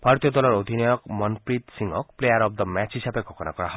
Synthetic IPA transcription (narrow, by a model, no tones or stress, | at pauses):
bʱaɾt̪jɔd̪ɔlɔɾod̪ʱinɔjɔkmɔnpɾit̪siŋɔkkplejaɾɔb̚d̪ɔmat͡ʃɦisabeɡʰʱɔkɔnakɔɾaɦ